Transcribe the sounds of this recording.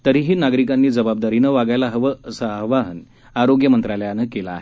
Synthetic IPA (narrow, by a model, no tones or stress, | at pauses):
t̪əɾiːɦiːnaɡɾikanːiːd͡zəbab̚d̪aɾiːnəʋaɡajlaɦəʋəsəɦʋaɦən | aɾoɡjəmənt̪ɾaljanəkelaːɦe